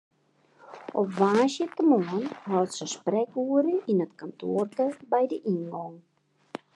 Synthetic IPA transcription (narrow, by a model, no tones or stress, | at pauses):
ʔɔpʋaːsjətəmoənɦɔltsəsprɛkuəɾəinətkantʰoərtəbɛjdəʔinɡɔŋ